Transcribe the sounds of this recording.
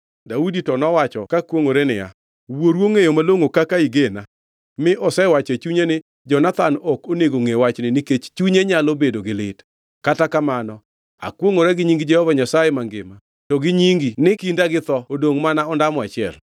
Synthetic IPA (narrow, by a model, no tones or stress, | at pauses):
dauditɔnɔwat͡ʃɔkakwoŋoɾenɪ̰ja̰ | woɾwoŋejomaloŋokakaiɡena | mɪʔɔsɛwat͡ʃet͡ʃuɲenɪ | d͡ʒɔnat̪anɔkoneɡoŋewat͡ʃnɪnɪket͡ʃt͡ʃuɲeɲalobedoɡɪlɪt | katakamanɔ | a̰kwoŋoɾɛɡɪɲiŋɡɪd͡ʒɛhɔvaɲasajemaŋɡɪ̰ma | tɔɡɪɲiŋɡinɪkindaɡɪt̪ɔodoŋmanaɔndamɔat͡ʃɪɛl